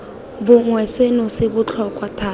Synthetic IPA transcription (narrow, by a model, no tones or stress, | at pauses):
bʊŋwɛsenʊsɪbʊt͡ɬʰɔkʼwatʰaː